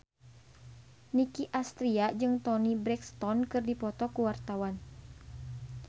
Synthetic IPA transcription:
nikiʔast̪ɾiad͡ʒɨŋt̪ɔnibɾɛkst̪ɔnkɨrdipɔt̪ɔkuwart̪awan

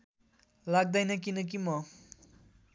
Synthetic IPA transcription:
laɡ̚d̪ajnʌk̬inʌk̬imʌ

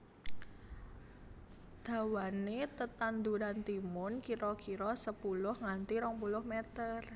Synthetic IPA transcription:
d̪̥a̤wanet̪ət̪and̪uɾant̪imʊnkiɾɔkiɾɔsəpulʊhŋant̪iɾɔŋpulʊhmɛt̪ər

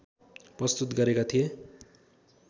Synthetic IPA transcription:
prʌst̪ut̪ɡʌɾekat̪ʰije

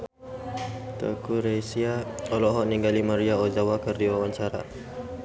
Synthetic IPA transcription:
t̪ə̰kuɾesiaɔlɔɦɔʔniŋɡalimaɾiaozawakərdiwawaɲt͡ʃaɾa̰

